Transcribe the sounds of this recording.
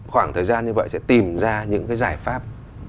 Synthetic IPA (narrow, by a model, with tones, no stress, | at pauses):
xwaː˧˩ŋt̪ʰəː˨˩jzaː˧nɲɨ˧və̰˧˨jsɛ̰˧˥t̪i˨˩mzaː˧ɲɨ̰˧˥ŋkaː˨˦jzaː˧˩jfaː˦˥p̚